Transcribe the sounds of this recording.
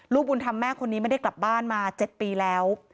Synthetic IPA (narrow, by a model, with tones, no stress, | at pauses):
luː˥˩p̚ʔu˧nt̪ʰa˧mːɛː˥˩kʰo˧nːiː˦˥ma˥˩da˥˩jkla˨˩p̚baː˥˩nmaː˧t͡ɕe˨˩t̪̚piː˧lɛː˦˥w